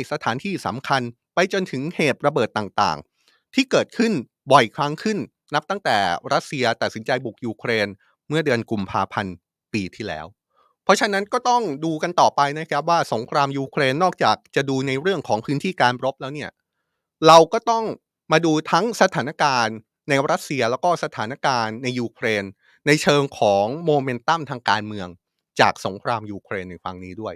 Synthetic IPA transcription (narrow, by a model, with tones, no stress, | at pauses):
sa˧t̪ʰaː˩˦nt̪ʰiː˥˩sa̰˩˦mkʰa˧n | pa˧jt͡ɕo˧nt̪ʰɯ˩˦ŋheː˨˩t̪̚ɾa˧bɤː˨˩t̪ːaː˨˩ŋt̪a̰ː˨˩ŋ | t̪ʰiː˥˩kɤː˨˩t̪̚kʰɯ˥˩n | bɔ˨˩jkʰla˦˥ŋkʰɯ˥˩nː | a˦˥p̚t̪a˥˩t̪ɛ̰ː˨˩ɾa˦˥t̪̚si˧ɐt̪a˨t̪̚si˩˦nt͡ɕa˧jbu˨˩k̚juː˧kʰɾeː˧n | mɯ˥˩dɯ˧ənku˧mpʰaː˧pʰa˧n | piː˧t̪ʰiː˥˩lɛ̰ː˦˥w | pʰɾɔ˦˥t͡ɕʰa˧na˦˥nkɔː˥˩t̪ɔ˥˩ŋduː˧ka˧nt̪ɔː˨˩pa˧jna˦˥kʰa˦˥p̚waː˥˩so˩˦ŋkʰɾaː˧mjuː˧kʰɾeː˧nːɔː˥˩k̚t͡ɕaː˨˩k̚t͡ɕa˨˩ʔduː˧na˧jɾɯ˥˩əŋkʰɔː˩˦ŋpʰɯː˦˥nt̪ʰiː˥˩kaː˧nɾo˦˥p̚lɛː˦˥wni˥˩ɐ | ɾa˧wkɔː˥˩t̪ɔ˥˩ŋ | maː˧duː˧t̪ʰa˦˥ŋsa˧t̪ʰaː˩˦na˦˥kaː˧nː | a˧jɾa˦˥t̪̚si˧ɐlɛː˦˥wkɔː˥˩sa˧t̪ʰaː˩˦na˦˥kaː˧nːa˧jːuː˧kʰɾeː˧nː | a˧jt͡ɕʰɤː˧ŋkʰɔː˩˦ŋmoː˧me˧˥nt̪a˥˩mt̪ʰaː˧ŋkaː˧nmɯ˧əŋ | t͡ɕa̰ː˨˩k̚so˩˦ŋkʰɾaː˧mjuː˧kʰɾeː˧nːa˧jfa̰˧ŋniː˦˥du˥˩əj